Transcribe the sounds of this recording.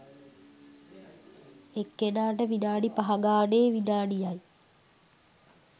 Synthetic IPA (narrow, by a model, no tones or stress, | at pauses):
ekːenaːʈəʋinaːɖipaɦaɡaːneːʋinaːɖijaj